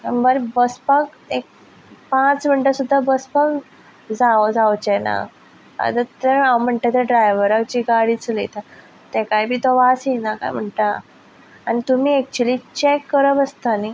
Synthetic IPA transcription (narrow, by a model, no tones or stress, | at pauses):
əbəɾbəspak̚ | ek̚ | pãt͡sm̤əɳʈəsud̪ʱːabəspak | d͡zad͡zawt͡ɕɛna̰ | a̰d̪ət̪eawm̤əɳʈat̪eɖɾajʋəɾak̚t͡ɕiːɡaɽiːt͡slḭt̪a | t̪ɛkajbʱiːt̪ɔʋasinaka̰jm̤əɳʈaː | nit̪umiːɛk̚t͡ɕuəlit͡ɕekːəɾəbəst̪ani